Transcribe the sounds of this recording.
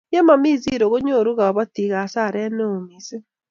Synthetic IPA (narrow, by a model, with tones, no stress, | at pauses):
ja˦ma˨mi˦zi˦ɾo˨ɣo˦ɲo˦˨ɾu˦ɣa˨βa˦ti˨ɣa˨sa˦˨ɾɛ˦ne˦o˨mi˨se˦